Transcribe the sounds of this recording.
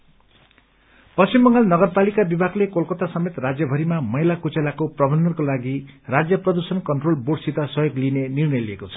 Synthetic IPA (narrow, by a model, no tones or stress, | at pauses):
pʌst͡ɕimbʌŋɡalnʌɡʌrpalikabibʱaɡlekolkʌt̪asʌmet̪rad͡zjʌbʱʌɾimamʌɦilakut͡selakoprʌbʱʌnːʌrkolaɡirad͡zjʌprʌd̪ursʌnkʌnʈrolboɽsit̪asʌjoɡlinenirnʌjliekot͡sʰʌ̥